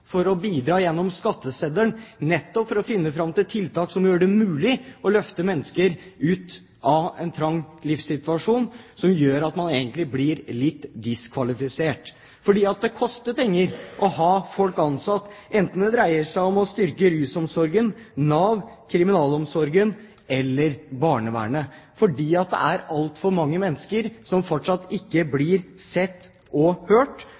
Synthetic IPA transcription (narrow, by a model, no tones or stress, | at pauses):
fɔɾɔbiːd̪ɾɑːjɛnːɔmskɑt̪ːəsed̪əɳnɛt̪ːɔpfɔɾɔfɪnːəfɾɑmt̪ɪlt̪ʰɪlt̪ʰɑːksɔmjøːɖɛmʉːlɪɔlœft̪əmɛnːəskəɾʉːt̪ | ɑɛ̰nt̪ʰɾɑŋːlɪfsɪt̪ʋɑʂuːnsɔmjøːɾɑt̪mɑneːɡənt̪lɪblɪɾlɪt̪ːd̪ɪskʰʋɑlɪfɪseːʈ | fɔɖiːɑt̪̚d̪ɛkʰɔst̪əpʰɛŋːəɾʔɔɦɑːfɔlkɑnsɑt̪ːʔɛnt̪n̩d̪ɛd̪ɾæɪəʂæɪɔmɔst̪ʏɾkəɾʉːsɔmsɔɾɡənɑːʋkʰɾɪmɪnɑːlɔmsɔɾɡən | ɛlːəɾbɑːɳəʋæ̰ːɳəfɔɖiːɑt̪̚d̪ɛ̰æɾɑlt̪fɔɾmɑŋːəmɛnːəskəɾsɔmfɔʈʂɑt̪ːɪkːəblɪɾsɛt̪ː | ɔhøːʈ